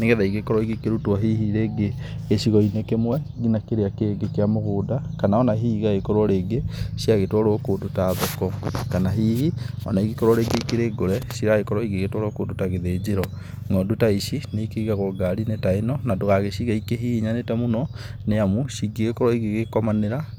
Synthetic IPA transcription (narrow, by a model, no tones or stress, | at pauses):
neɣɛðaiɣekɔɾɔiɣekeɾutwaɦihiɾeːɡe | ɣeʃiɣɔinekemwɛ | dinakeɾeakeɡekeamoɣoːdakanaɔnaɦiɣaɣekɔɾɔɾeːɡesiaɣetwɔɾokodotaðɔkɔkanaɦihiɔ̰naiɣikɔɾwɔɾeɡeikeɾeːɡoɾɛsiɾaɣekɔɾɔiɣeɣetwɔɾokodotaɣeðed͡ʒeɾɔ | ŋɔdotaiʃineikeiɣaɣoɡaɾinetaenɔnadoɣaɣeʃiɣaikeɦihiɲanetɛmonɔneamuʃiɡeɣekɔɾɔiɣeɣekɔmaneɾa